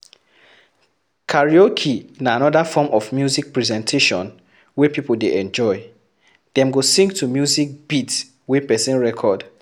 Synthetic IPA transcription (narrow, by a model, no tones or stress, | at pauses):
kʰaɹiɔkʰinaanɔdafɔmɔfmjuzik̚pɹɛzɛ̃ntʰeʃɔ̃n | wɛpipoldeʔɛ̃nd͡ʒɔɪ | d̥ɛ̃mɡosĩŋɡtʰumjuzik̚b̥it | wɛpɛsĩnɹɛkʰɔd